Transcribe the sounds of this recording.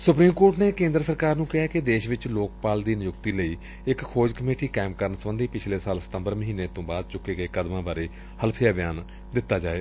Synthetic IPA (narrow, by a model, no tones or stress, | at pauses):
sʊpɾiːmkoːɾʈneːkẽːnd̪ɾəsəɾkaːɾnũːkɪɦaːkɪd̪eːʃʋɪt͡ʃloːk̚paːld̪iːnjʊkt̪iːləiː | ɪkkʰːoːd͡ʒkəmeːʈiːkaːɪmkəɾənsəbənd̪iːpɪt͡ʃʰleːsaːlsə̥t̪ə̃mbəɾməɦiːneːt̪õːbaːd̪̚t͡ʃʊkːeːɡəeːkəd̪mãːbaːɾeː | həlpʰɪjaːbɪjaːn | d̪ɪt̪ːaːd͡ʒaːeː